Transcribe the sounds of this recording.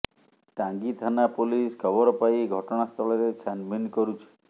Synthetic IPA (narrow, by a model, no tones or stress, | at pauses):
ʈaŋɡit̪ʰanapoliskʰɔbɔɾɔpajɡʱɔʈɔɽ̃ast̪ʰɔlɔɾet͡ʃʰanminkɔɾut͡ʃʰi̥